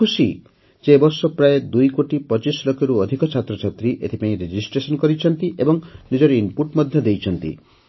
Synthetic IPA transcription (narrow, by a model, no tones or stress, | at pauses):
kusi | d͡ʒebɔɾsɔpɾaed̪ujkoʈipɔt͡ʃislokeɾuɔd̪ʱikɔt͡ʃʰat̪ɾɔt͡ʃʰat̪ɾiʔet̪ʰipaĩɾed͡ʒisʈɾesɔnkɔɾit͡ʃʰɔnt̪iʔebɔŋnid͡ʒɔɾimpuɾʈmɔd̪ʱjɔd̪ejt͡ʃʰɔnt̪ḭ